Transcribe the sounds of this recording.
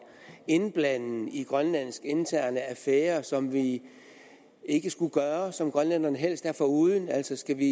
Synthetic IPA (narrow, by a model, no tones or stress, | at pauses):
e̝nb̥læn̰n̩iɡ̥ʁɶnlæn̰sɡ̥ent͡sʰæɐnəæfeːɐsɒ̽mʋi | e̝ɡ̥əsɡ̥uɡ̥ɶːɐsɒ̽mɡ̥ʁɶnlæn̰ɐnəɦel̰sd̥æɐfɒuːð̞ˠn̩æl̰sɒsɡ̥æʋi